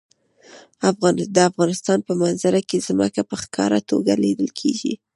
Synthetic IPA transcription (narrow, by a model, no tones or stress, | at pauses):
afɣɑnd̪əafɣɑnɪst̪ɑnpəmanzaɾakezmə̰kapəxkʰɑ̰ɾat̪oɡaled̪əlkʰḛɡḭ